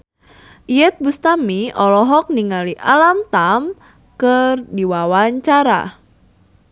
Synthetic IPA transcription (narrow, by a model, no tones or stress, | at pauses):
ʔijɛt̪̚bust̪amiɔlɔɦɔk̚niŋaliʔalamt̪am | kərdiwawaɲt͡ʃaɾa̰